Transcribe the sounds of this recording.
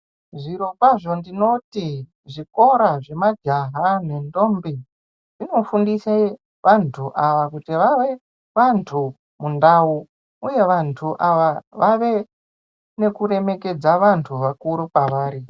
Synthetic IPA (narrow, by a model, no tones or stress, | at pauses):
ʐiɾo̞mbwaʐo̞ndino̞ti | ʐiko̞ɾaʐe̞mad͡ʒaɦane̞ndo̞mbi | ʐino̞fundise | ʋantʰuʔaʋakutiʋaʋe̞ | ʋantʰu | mundau | uje̞ʋantʰuʔaʋaʋaʋe̞ | ne̞kure̞me̞ke̞d͡zaʋantʰuʋakuɾupaʋaːɾi